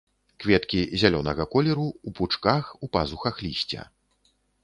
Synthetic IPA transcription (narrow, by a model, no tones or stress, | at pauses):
kvʲɛt̪kʲizʲalʲɔnɐɣɐkɔlʲɛɾuuput͡ʂkaxupazuxɐxlʲisʲt͡sʲɐ̰